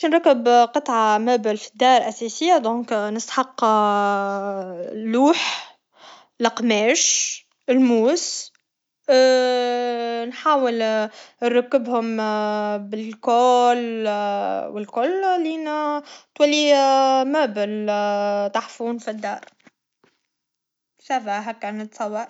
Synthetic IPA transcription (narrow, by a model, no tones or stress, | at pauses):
nɾˤakːəbqɨt̪ˤʕamæːbɪlfid̪ːɑːɾˤʔæsɛsɪjːad̪õːknəst̪ħɑqː | lːuːħ | lɑqmɛːʃ | ɪlmuːs | nħaːwɪlɾːʊkːɪbhʊm | bɪlkoːl | wɪlkʊllint̪wælːimæːbəl | t̪aħfuːnfid̪ːɑ̰ːɾˤ | sæfæɦækːænət̪sˤɑwːɑɾˤ